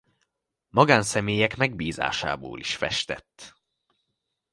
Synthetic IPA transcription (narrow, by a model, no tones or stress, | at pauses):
mɒɡaːnsɛmeːjɛkmɛɡbiːza̰ːʃa̰ːbo̰ːliʃfɛ̰ʃt̪ɛ̰t̪ː